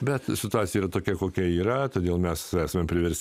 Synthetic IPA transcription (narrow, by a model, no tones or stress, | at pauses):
bʲɛt̪sʲɪt̪ʊɑt̪sʲɪjɛiːɾɐt̪oːkʲɛkoːkʲɛiːɾɐt̪oːdʲeːlˠmʲɛsæːsɐmʲempʲɾʲɪʋʲɛɾʲsʲ